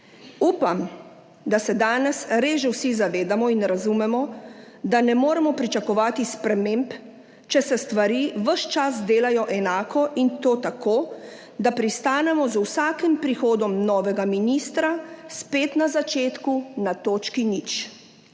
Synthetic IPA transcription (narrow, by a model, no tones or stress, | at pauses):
uːpam | d̪asɛd̪aːnɛsɾeːʒɛwsizaʋeːd̪amɔinɾazumɛmɔ | d̪anɛmoːɾɛmɔpɾit͡ʃakɔʋaːt̪ispɾɛmemp | t͡ʃɛsɛst̪ʋaɾiʋəʃt͡ʃas̬d̪eːlajɔʔɛnaːkɔʔint̪oːt̪akoː | d̪apɾist̪aːnɛmɔzuwsaːkimpɾixoːd̪ɔmnɔːʋɛɡaminiːst̪ɾaspeːt̪nazat͡ʃeːt̪kunat̪oːt͡ʃkinit͡ʃ